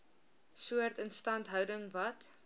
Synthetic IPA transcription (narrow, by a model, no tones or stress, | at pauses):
suərtənstɐntɦœwdəŋvɐt